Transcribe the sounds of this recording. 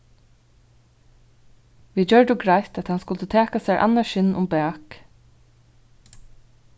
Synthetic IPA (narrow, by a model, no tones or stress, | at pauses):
ʋiːd͡ʒœɹɖəɡɹaɪt̪ɛt̪hɑnskʊlt̪ət̪ʰeːkasɛːɹʔa̰nːaʃɪnʔʊmbæːk